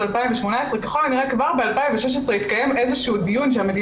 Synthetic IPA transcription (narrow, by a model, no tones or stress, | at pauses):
alpaimveʃmo̞naesʁekaχo̞lniʁekvaʁbe̞alpaimveʃeʃ̬esʁeit̪kaje̞mʔe̞zeʃuud̪ijunʃeamed̪i